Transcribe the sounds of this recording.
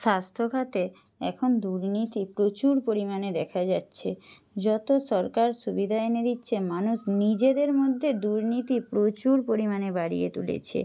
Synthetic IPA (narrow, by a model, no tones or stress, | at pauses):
ʃast̪ʰokʰat̪e | ɛkʰond̪uɾnit̪ipɾot͡ɕuɾpoɾimaned̪ɛkʰad͡ʑatːɕʰe | d͡ʑɔt̪oʃɔɾkaɾʃubid̪ʱaened̪itːɕʰemanuʃnid͡ʑed̪eɾmod̪ʱːed̪uɾnit̪ipɾot͡ɕuɾpoɾimanebaɽḭjḛt̪ṵlḛt͡ɕʰḛ